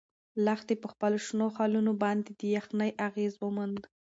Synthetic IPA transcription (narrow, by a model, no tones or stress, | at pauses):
laxt̪epəxpəloʃnoxɑlunobɑnd̪ed̪əjaxnəjʔaɣezwəmand̪